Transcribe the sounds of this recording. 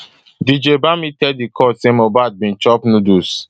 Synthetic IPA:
did͡ʒebamitɛddikʰɔsemobat̚bĩnt͡ʃɔpnudus

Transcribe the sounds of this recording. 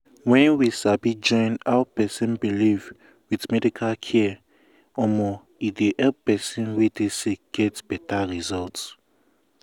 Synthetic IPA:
wɛ̃nwisabid͡ʒɔ̃ɪ̃naʊpɛsĩnbiliv | wiðmɛdikʰalkʰɛ | ɔmɔ | ideʔɛpɛsĩnwideseɡ̥ɛtb̥ɛtʰaɹizɔlts

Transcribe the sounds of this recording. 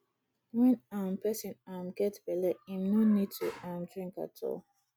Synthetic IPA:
wɛ̃nãmpɛsĩnãmɡɛtbɛlɛĩmnonid̚tuʔãmdɹĩŋka̰tʰɔ̰

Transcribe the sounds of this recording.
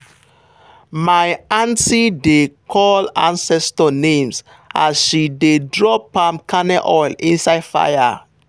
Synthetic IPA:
majãntidekʰɔlã̰nsɛstɔnẽms | a̰sʃidedɹɔpãmkanɛʔɔjlḭ̃nsaɪdfa̰ja

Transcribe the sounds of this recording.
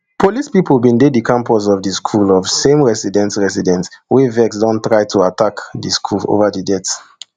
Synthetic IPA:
pʰolispipl̩ˠbĩndedikʰãmpɔs̬ɔvdiskʰulɔv̥sẽmɹɛsidɛ̃ntɹɛsidɛ̃ntwevɛksdɔ̃ntɹaɪtʰuatakdiskʰulo̰vədidɛt

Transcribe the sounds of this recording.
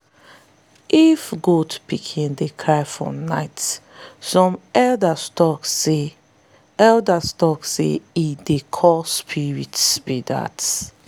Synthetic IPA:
ifɡotpʰikʰĩndekʰɹajfɔ̰naɪt | sɔ̃mɛldastɔksːe | ɛldastɔksḛidekʰɔspʰiɹitspida̰ts

